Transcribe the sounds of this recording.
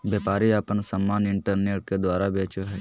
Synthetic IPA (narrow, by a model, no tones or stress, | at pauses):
bjeːpaːɾiapənsəmːaːnɪ̃ɳʈəɾneːʈ̚ked̪waːɾabeːt͡ʃoɦɛː